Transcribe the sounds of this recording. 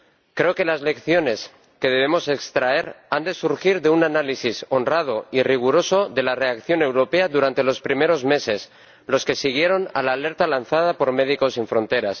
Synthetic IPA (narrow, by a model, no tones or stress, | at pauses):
kɾe̞oke̞lazle̞kθjo̞ne̞s | ke̞ðe̞β̞e̞mo̞se̞kst̪ɾae̞ɾand̪e̞suɾxiɾðeunanalisiso̞nrað̞o̞iriɣ̞uɾo̞so̞ðe̞lare̞akθjo̞ne̞wɾo̞pe̞aðuɾant̪e̞lo̞spɾime̞ɾo̞zme̞se̞s | lo̞ske̞siɣ̞je̞ɾo̞na̰laːle̞ɾt̪alanθað̞apo̞ɾme̞ð̞iko̞siɱfɾõ̞nt̪e̞ɾas